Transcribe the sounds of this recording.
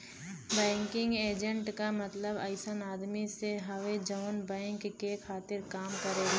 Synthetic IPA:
bɛ̃ːŋkɪ̃ŋɡeːd͡ʒə̃ɳʈkamɐt̪ləbɐ̰ɪsənaːd̪miseɦɐʋed͡ʒəːnbɛ̃ːŋkːekʰaːt̪ɪɾkaːmkɐɾeːɡaː

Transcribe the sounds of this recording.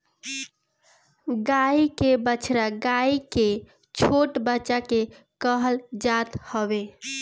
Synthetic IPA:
ɡaikebət͡ʃʰɾaɡaike | t͡ʃʰoʈbəːt͡ʃake | kəɦəld͡ʒat̪həbe

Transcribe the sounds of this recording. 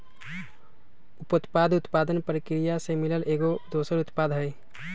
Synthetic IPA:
ʊpʊt̪paːd̪ʱʊt̪paːd̪ənpɾəkɾijasemɪləlʔeːɡod̪oːsəɾʊt̪pad̪ʱɦəj

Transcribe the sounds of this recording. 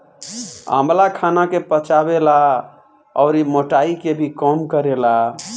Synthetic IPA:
a̰mlakʰanakepət͡ʃabela | ɔ̰ʊɾimoʈaikebʱikəmkəɾela

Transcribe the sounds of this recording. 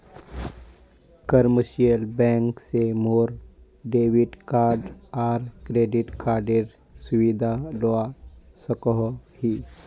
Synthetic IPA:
kəɾməʃijəlbɛ̃ːŋksemoːɾ | ɖeːʋɪɖkaːɾɖaːɾkɾeːɖɪʈkaːɾɖeːɾ | sʊʋid̪ʱalɔa | səkɔɦhiː

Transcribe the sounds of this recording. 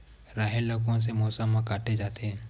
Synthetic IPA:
ɾaːɦelokõs̬emoːsəmːãkaːʈʰed͡ʒaːt̪eɦɛ̃ː

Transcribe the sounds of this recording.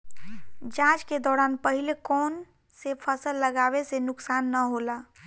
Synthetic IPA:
d͡ʒãd͡ʒked̪ɔːɾanpəɦilekɔn | sepʰəsəlːəɡaβesenʊksanːəɦola

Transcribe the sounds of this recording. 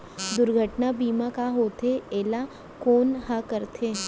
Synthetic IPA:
d̪ʊɾɡʱəʈnabiːmakaɦoːt̪ʰeeːla | koːnɦakəɾt̪ʰeː

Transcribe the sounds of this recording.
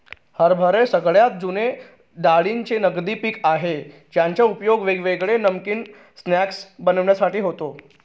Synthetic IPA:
həɾbʱəɾesəɡɭjat̪̚d͡zune | ɖaɭiːnt͡senəɡd̪iːpikaɦe | d͡ʑjãɲt͡ɕaupjoɡʋeɡʋeɡɭenəmkiːn | snæksbənəʋɳjasaʈiːɦot̪o

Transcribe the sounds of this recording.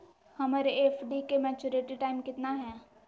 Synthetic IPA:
hɐmaːɾeeːfʰɖikemɛːt͡ʃoɾeʈiʈaːɪmkɪt̪naɦɛ̃ː

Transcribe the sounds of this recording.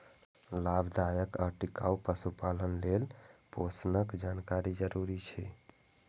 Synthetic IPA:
labd̪ajəkaʈika̰upəsupalənlelposnəkd͡ʒankaɾid͡ʒəɾuɾit͡ʃʰɛ

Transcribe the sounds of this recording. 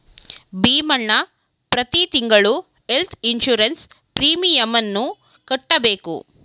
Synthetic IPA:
biːmɐɳːɐ | pɾɐt̪it̪iŋɡɐɭu | elt̪ʰinʃuɾɐns | pɾiːmijɐmɐnːu | kɐʈːɐbeːkṵ

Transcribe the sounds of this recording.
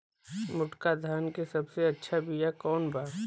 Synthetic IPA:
mʊʈkad̪ʱaːnkesɐbseɐtːʃʰabijakɔːnbaːɾ

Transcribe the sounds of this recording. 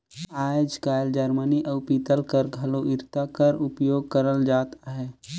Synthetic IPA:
aːd͡ʒkaːld͡ʒəɾməniʔəʊpit̪əlkəɾɡʱɐloɪɾt̪akɐɾʊpjoːɡ̚kəɾəld͡ʒaːt̪aɦɛː

